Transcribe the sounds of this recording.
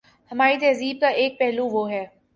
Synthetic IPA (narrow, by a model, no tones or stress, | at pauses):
hɐmaːɾit̪ɛːziːb̚k̪aʔeːk̚pɛɦluʋoːɦɛː